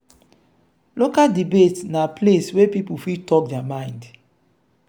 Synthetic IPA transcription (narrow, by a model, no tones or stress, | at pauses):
lokaldibetnapleswepipufitɔk̚dɛamãɪ̃nd